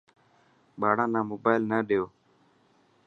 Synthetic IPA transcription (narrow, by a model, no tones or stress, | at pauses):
ɓaːɽãːnãːmoːbaːɪlnaːɗejoː